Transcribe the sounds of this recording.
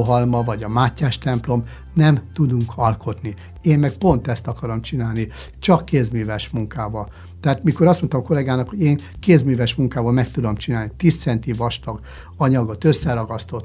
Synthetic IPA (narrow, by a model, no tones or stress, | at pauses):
ɦɒlmɒvɒɟɒmaːcːaːʃt̪ɛmplo̞m | nɛmt̪ud̪uŋkʰɒlkʰo̞t̪ni | eːmmɛk̚po̞nt̪ɛst̪ɒkɒɾo̞mt͡ʃinaːlni | t͡ʃɒkːeːzmyːvɛʃmuŋkaːvɒl | t̪ɛaːt̪miko̞ɾɒst̪mo̞nt̪ɒmko̞lɛɡaːnɒkho̞ɟeːŋ | keːzmyːvɛʃmuŋkaːvɒlmɛkt̪ud̪o̞mt͡ʃinaːlnit̪iːst̪sɛnt̪ivɒʃt̪ɒɡ | ɒɲɒɡo̞t̪øsːɛɾɒɡɒst̪o̞t̪